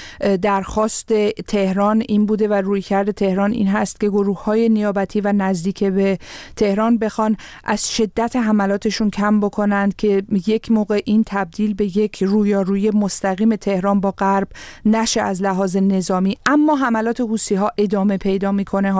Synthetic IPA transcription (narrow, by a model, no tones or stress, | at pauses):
d̪æɾxɒːst̪e̞t̪ʰe̞hɾɒːniːnbuːd̪e̞væruːjcʰæɾd̪e̞t̪ʰe̞hɾɒːnḭːnɦæst̪̚cʰe̞ɡo̞ɾuːhːɒːje̞nijɒːbæt̪ʰiːvænæzd̪iːcʰebet̪ʰe̞hɾɒːnbe̞xɒnʔæz̥ʃe̞d̪ːæt̪ʰeɦæmælɒːt̪ʰe̞ʃuncʰæmbo̞kʰo̞nænd̪̥̚cʰe̞je̞cʰmoːɣe̞ʔint̪ʰæb̚d̪iːlbe̞je̞cʰruːjɒːɾuːjemo̞st̪æɣiːme̞t̪ʰehɾɒːnbɒːɣæɾbnæʃe̞ʔæzlæɦɒːze̞ne̞zɒːmiːʔæmːɒːɦæmælɒːt̪ʰe̞huːsiːɦɒːʔe̞d̪ɒːme̞pʰe̞jd̪ɒːmiːkʰo̞ne